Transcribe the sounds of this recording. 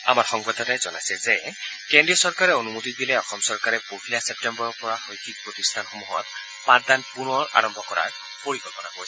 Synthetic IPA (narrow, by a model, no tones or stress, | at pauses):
a̰maɹxɔŋbɔdɔtajzɔna̰jsɛzɛkɛ̃ndɹijɔsɔɹkaɹɛonumutit̚bilɛɔxɔmsɔɹkaɹɛpopʰiliasɛp̚tɛmbɔɹɔɹpɔɹaxojkʰik̚pɹotistʰanxomuɦɔ̰t | pãddanpunɔɹa̰ɹɔmbʱɔkɔɹa̰ɹ | poɹiɡɔpɔnakoɹjsɛ